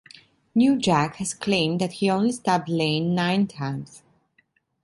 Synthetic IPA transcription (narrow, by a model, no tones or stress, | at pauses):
njud͡ʒækhɨz̥kʰl̥ẽɪ̃mðɨt̚hiõʊ̃nlistɑb̚lẽɪ̃nːãɪ̃ntʰãɪ̃ns